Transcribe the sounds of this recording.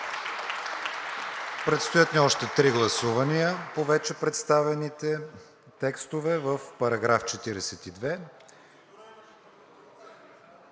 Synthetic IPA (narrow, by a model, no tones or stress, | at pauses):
pɾɛt̪st̪ojat̪niɔʃt̪ɛt̪ɾiɡlˠɐsuvɐnijəpovɛt͡ʃɛpɾɛt̪st̪avɛnit̪ɛ | t̪ɛkst̪ovɛvəfpɐɾɐɡɾaft͡ʃɛt̪iɾɛsɛt̪id̪vɛ